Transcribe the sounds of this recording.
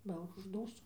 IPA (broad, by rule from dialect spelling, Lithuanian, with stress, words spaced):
ˈbɐ ʊʒˈduːstʊ